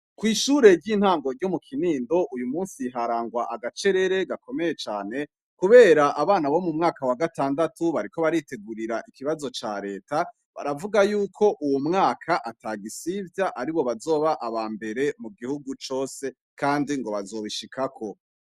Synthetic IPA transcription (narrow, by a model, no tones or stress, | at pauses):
kwiːʃuːɾe̞ɾɟiːn̥haːŋɡo̞ɾɟomukʰiniːndo̞ʔujumuːnsiɦaɾaːŋɡwaʔaɡat͡ʃe̞ɾe̞ɾe̞ɡako̞me̞je̞t͡ʃaːne̞ | kuβe̞ːɾaʔaβaːnaβo̞mumŋaːkawaɡataːndatuβaɾiko̞βaɾite̞ɡuɾiɾaʔikiβazo̞t͡ʃaɾe̞ːta | βa̰ɾavuɡajuːkʰo̞ʔuwumŋaːkʰaʔataɡisivjaʔaɾiβo̞βazo̞ːβaʔaβaːmbe̞ɾe̞muɡihuɡut͡ʃo̞ːse̞ | kaːndiŋɡo̞βazo̞ːβiʃikʰakʰo̞